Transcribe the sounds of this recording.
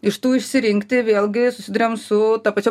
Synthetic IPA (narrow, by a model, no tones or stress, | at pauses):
ɪʃt̪uːɪʃʲsʲɪɾʲɪŋʲkt̪ʲɪʋʲeːlʲˠɡʲɪsʊsʲɪd̪ʊɾʲeɛmsʊt̪ɐːpɐt͡ʃʲo